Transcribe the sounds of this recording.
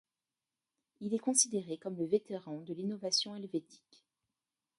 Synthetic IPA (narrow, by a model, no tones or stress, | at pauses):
ilɛkɔ̃sid̪eʁekɔmləvet̪eʁɑ̃d̪əlinɔvasjɔ̃ɛlvet̪ʰi̥k